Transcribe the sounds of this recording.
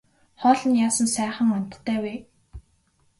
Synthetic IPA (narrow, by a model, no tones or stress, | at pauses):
χɔːɮɞ̆njaːsə̆nsæːχə̆ŋɔn̥ʲt̪ʰːæːweː